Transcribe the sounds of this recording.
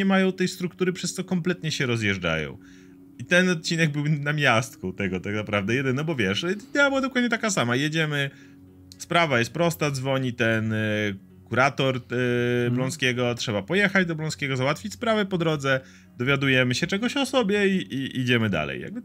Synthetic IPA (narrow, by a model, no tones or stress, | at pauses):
ɛmajɔ̃w̃t̪ɛjst̪ɾuk̚t̪uɾɘpʂɛst̪sɔkɔmplɛt̪ɲɛɕɛɾɔzjɛʐd͡ʐa̰jɔ̰̃w̃ | it̪ɛnɔt̪̚t͡ɕinɛɡ̚bɘwnamʲjast̪kut̪ɛɡɔt̪aknapɾavd̪ɛjɛd̪ɘnɔbɔvʲjɛʂid̪ɛabɘwad̪ɔkwad̪ɲɛt̪̬akasamajed͡ʑɛmɘ | spɾavajɛst̪̚pɾɔst̪ad̪zvɔɲit̪ɛn | kuɾat̪ɔɾ | blɔ̃ñskʲɛɡɔtʂɛbapɔjɛxad͡ʑd̪ɔblɔ̃skʲɛɡɔzawat̪fʲit͡ɕʲspɾavɛpɔd̪ɾɔd̪zɛ | d̪ɔvʲjad̪ujɛmɘɕɛt͡ʂɛɡɔɕɔsɔbʲjɛiʔiʔid͡ʑɛmɘd̪a̰lɛ̰ja̰ɡ̚bɘ